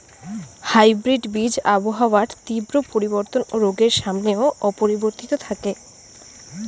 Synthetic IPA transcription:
hajbɾiɖbid͡ʑaboɦaoaʈt̪ibɾopoɾiboɾt̪onoɾoɡeɾʃamneoɔpoɾiboɾt̪it̪ot̪ʰake

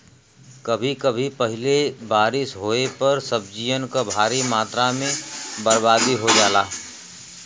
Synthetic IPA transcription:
kəbʱikəbʱipəɦɪlebaːɾɪsɦoːepəɾsəb̚d͡ʒijənkabʱaːɾimaːt̪ɾamẽbəɾbaːd̪iɦod͡ʒaːlaː

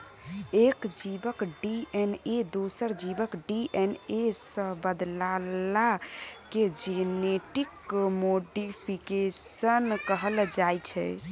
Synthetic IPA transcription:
ekd͡ʒibəkɖiened̪osəɾd͡ʒibəkɖiʔenesəbəd̪lalaked͡ʒeneʈikmoɖipʰikesənkəɦəld͡ʒajt͡ʃʰɛ̰

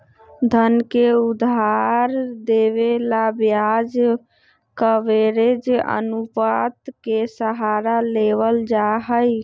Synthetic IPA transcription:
d̪ʱənkeud̪ʱaɾd̪eβelabjad͡ʒ | kəʋeɾed͡ʒʔə̰nupat̪kesəɦaɾaleʋəld͡ʒaɦəj

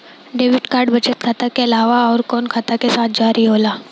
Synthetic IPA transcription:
ɖeːʋɪʈkaːɾɖbɐt͡ʃət̪̚kʰat̪akeɐlaːʋaɔːɾkɔːnkʰat̪akesaːt̪̚ʰd͡ʒaːɾiɦoːlaː

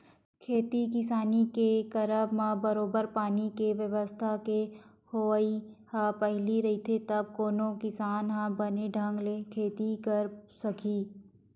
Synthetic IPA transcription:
kʰeːt̪ikɪsaːnikekɐɾəbmãbɐɾoːbəɾpaːnikeʋjəʋəst̪ʰake | hoihãpɐɦliɾɐɦit̪ʰet̪ɐb̚koːnõkɪsaːnɦãbɐneɖʱɐ̃ŋɡlekʰeːt̪ikɐɾsɐkʰiː

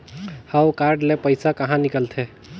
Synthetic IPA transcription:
hawkaɾɖlepəjsakəɦãnikəlt̪ʰe

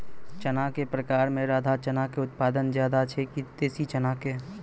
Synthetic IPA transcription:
t͡ʃənakepɾəkaːɾmẽɾaːd̪ʱat͡ʃənakeʊt̪̚paːd̪ənzjaːd̪at͡ʃʰekit̪eːsit͡ʃənake

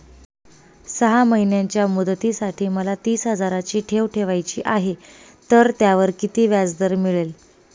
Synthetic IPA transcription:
səɦaməɦinjaɲt͡ɕjamud̪t̪isaʈʰiːməlat̪iːsɦəd͡zaɾat͡ɕiːʈʰeʋʈʰeʋajt͡ɕḭːʔaɦe | t̪əɾt̪jaʋəɾkit̪iːʋjad͡zd̪əɾmiɭel

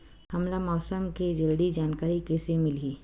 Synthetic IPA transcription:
hɐmlamɔːsəmked͡ʒɐlɖ̪id͡ʒaːnkaːɾikesemɪliː

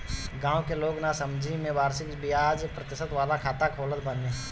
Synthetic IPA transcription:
ɡãːwkeloːɡnasəmd͡ʒʱimẽbaːɾsɪkbɪjaːd͡ʒpɾət̪ɪʃət̪ʋaːlakʰaːt̪akʰoːlət̪bəneː

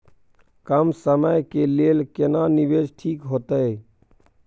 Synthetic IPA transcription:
kəmsəməjkeleːlkenaniʋed͡ʒʈʰiːkɦoːt̪əj

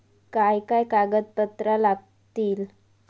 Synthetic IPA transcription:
kajkajkaɡət̪pət̪ɾalaɡ̚ | t̪iːl

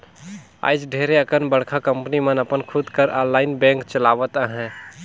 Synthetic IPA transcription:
a̰ːɪd͡ʒɖʱeːɾeəkənbəɽ̤kʰakə̃mpnimənəpənkʰud̪kəɾʔaːnlaːɪnbɛ̃ːŋkt͡ʃəlaːʋət̪aɦɛ̃ː

